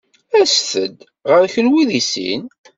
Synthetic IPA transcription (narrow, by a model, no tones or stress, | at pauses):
æsθəd̪ | ʁəɾçənwiðisḭn